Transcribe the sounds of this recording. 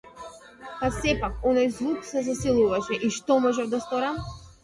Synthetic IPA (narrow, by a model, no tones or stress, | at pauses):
pasɛpakɔnajzlˠuksɛzasilˠuvaʃɛʔiʃt̪ɔmɔʒɛvd̪ast̪ɔɾam